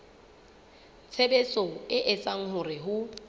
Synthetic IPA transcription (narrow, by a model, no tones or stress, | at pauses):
t͡sʰebet͡sʼɔɪʔɪt͡sʼaŋ̩ɦʊrɪɦʊ